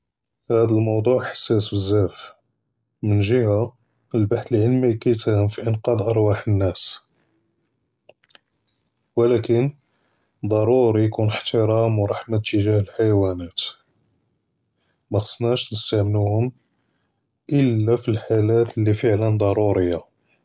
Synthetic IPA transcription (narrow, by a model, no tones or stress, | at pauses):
hæd̪əlmɑwd̪ˤuʕħḁsːæsbəzːæf | mənʒəha | əlbaħt̪əliʕəlmijkæjt̪æhəmfiʔənqɑd̪ʔɑɾˤwaħənːæs | wəlækən | d̪ˤɑɾˤuɾijkunħt̪əɾˤɑmwɾˤɑħmat̪ːəʒæhəlħajwænæt̪ | mæxɑ̥sˤnæʃnəst̪æʕmnuhʊm | ʔəlːæfilħalæt̪əlːifəʕlənd̪ˤɑɾˤuɾəjːa